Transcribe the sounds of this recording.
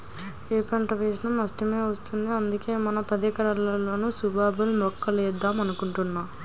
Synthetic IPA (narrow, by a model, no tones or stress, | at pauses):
eːpɐɳʈɐʋeːs̬inɐmɐsʈɐme̞ːʋɐst̪und̪iɐnd̪uke̞ːmɐnɐpɐd̪ɐkɐɾɐlːɐlo̞ːnusubʱaːbɐlmɔkːɐleːd̪ːaːmɐnukuɳʈunːaː